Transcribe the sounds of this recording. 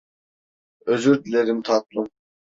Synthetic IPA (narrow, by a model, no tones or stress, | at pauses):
øzyɾd̪ɪleɾɪmt̪ʰɑt̪̚lˠum